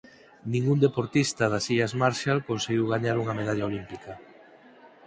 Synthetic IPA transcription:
nĩŋɡund̪epoɾt̪ist̪ɐðasiʎazmaɾʃalkonseɣiwɣaɲaɾuŋameð̞aʎaolimpika

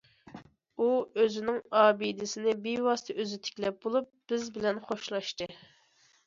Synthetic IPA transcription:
uøzɪnɪŋɑːbid̪ɪsɪnɪbiwɑsɨ̥t̪ʰɨʔøzɪt̪ʰe̥kʲlɛp̚bolˠup̚b̥ɪzbɪlɛnχoʃlˠɑʃt̪ɨ

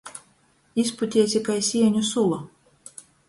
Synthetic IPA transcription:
isput̪ʲiɛsʲikajsʲiɛɲʲusulˠa

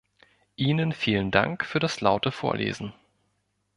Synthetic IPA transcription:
ʔiːnənfiːlənda̰ŋkfyːɐɾaslaʊtəfoːɐlʔḛːzn̩

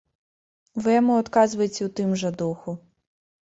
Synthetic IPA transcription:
ʋɪjmuɔt̪kɑzʋɐjetʲɐut̪ɪmʒɛd̪uxʊ

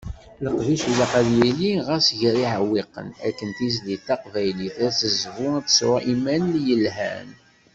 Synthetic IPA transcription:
ləqviʃulæqæðjæliʁæsʝɾiʕəwːiqə̰næ̰kːənt̪is̬d̪iθɑqvæjliθæt͡sːəzvuæt̪ə̥sɾaʔimænljəlɦæ̰n

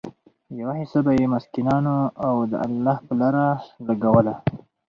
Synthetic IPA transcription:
jawahɪsabajemʊskinɑnoawd̪ə̰alːɑhpəlaɾalaɡawəla

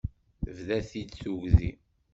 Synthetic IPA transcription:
vðæθid̪suʝðḭ

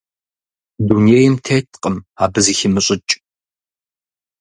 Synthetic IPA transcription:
dunejɪmtʰeːtʰqʼəmaːbɨziçɪmɨɕʼɪt͡ʃʼ

